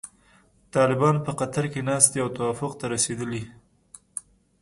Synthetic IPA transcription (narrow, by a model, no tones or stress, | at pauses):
t̪ɑlɪbɑnpəqat̪aɾkenɑst̪eawt̪awafʊqt̪aɾased̪əli